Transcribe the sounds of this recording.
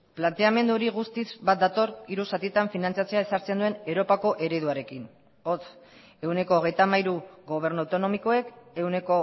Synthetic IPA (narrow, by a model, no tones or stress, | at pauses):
plant̪e̞ame̞nd̪uɾiɣ̞ust̪izβat̪̚d̪at̪o̞ɾiɾusat̪it̪aɱfinant͡sjat͡se̞ae̞saɾt͡send̪ue̞ne̞wɾo̞pako̞ʔe̞ɾe̞ðuaɾe̞kin | o̞tt͡s | e̞wne̞ko̞ːɣe̞jt̪amajɾuɣo̞β̞e̞ɾnuawt̪ono̞miko̞e̞ke̞wne̞ko̞